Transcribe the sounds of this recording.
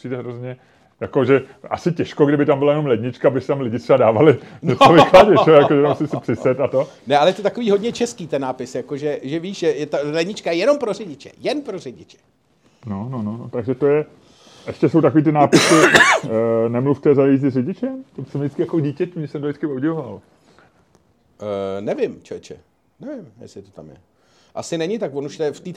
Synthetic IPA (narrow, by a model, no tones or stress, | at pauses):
iːdɛɦɾozɲɛ | jakoʒɛʔasɪcɛʃkoɡdɪbɪt̪ambɪlajɛno̞mlɛdɲɪt͡ʃkabɪsɪ̥t̪amlɪɟɪt̪ɛbadaːvalɪɲɲɛtt͡sovɪxklaɟɛʒɛjakoʒɛt̪amsɪsɪpr̥ɪsɛt̪at̪o | nɛʔalɛjɛt̪ot̪akoviːɦodɲɛt͡ʃɛskiːt̪ɛnːaːpɪsjakoʒɛʒɛviːʃʒɛjɛt̪alɛdɲɪt͡ʃkajɛjɛno̞mpɾorɪɟɪt͡ʃɛ̰jɛnpɾorɪɟɪt͡ʃɛ̥ | nonononot̪aɡʒɛt̪ojɛ | ʔɛʃcɛso̞wt̪ako̞viːt̪̬ɪnaːpɪsɪ | nɛmluft̪ɛzajizɪrɛɟɪt͡ʃɛmt̪ot͡sɛmdɪt͡skɪjakoɟiːcɛt̪imɲɛsɛmt̪oɪt͡skɪowɟɪvoval | nɛvɪmt͡ʃɛt͡ʃɛ̰ | nɛvɪmjɛ̰sɪt̪ot̪a̰mjɛ̰ | ʔa̰sɪnɛɲɪt̪akvonuʃt̪ɛft̪iːt̪